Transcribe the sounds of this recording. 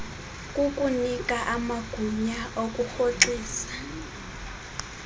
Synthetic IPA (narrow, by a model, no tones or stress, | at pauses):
kʼukʼunikʼaʔamaɡ̥ʱuɲaokʼuxoǁiːsḁ